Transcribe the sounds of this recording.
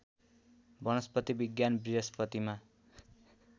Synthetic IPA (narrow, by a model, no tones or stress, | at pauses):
bʌnʌspʌt̪ibiɡjanbriɦʌspʌt̪ima